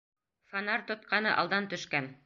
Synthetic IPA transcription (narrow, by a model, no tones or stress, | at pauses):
fanɑɾt̪ŏt̪̚qɑnɤʔɑ̰lˠd̪ɑnt̪ɵ̆ʃkæn